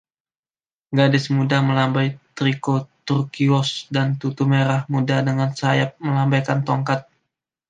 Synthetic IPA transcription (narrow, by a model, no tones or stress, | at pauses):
ɡadɪsmudaməlambajt̪ɾikot̪urkiɔsdant̪ut̪umeɾahmudadəŋansajap̚məlambajkant̪ɔŋkat̪̚